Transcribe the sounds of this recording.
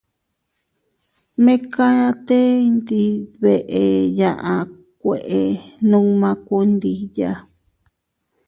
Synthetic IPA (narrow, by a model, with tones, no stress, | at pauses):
mẽ˦ka˦ja˦˧t̪e˦˧nd̪i˧βe˨ʔe˨jã˨ʔa˨ | kʷe˨ʔe˨nũ˦mã˧ko˧nd̪i˧ja˦